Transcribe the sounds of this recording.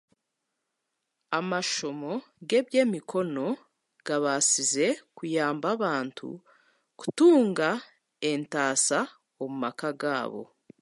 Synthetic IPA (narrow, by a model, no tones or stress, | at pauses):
amaʃo̞mo̞ | ɡe̞bje̞mikʰo̞no̞ | ɡ̥aβasize̞kujaːmbaβaːntʰṵ | ku̥tuːŋɡa | e̞ntaːsa | omumakaɡaːβo̞̰